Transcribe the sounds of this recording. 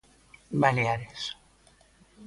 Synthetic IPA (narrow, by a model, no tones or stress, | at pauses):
baleaɾes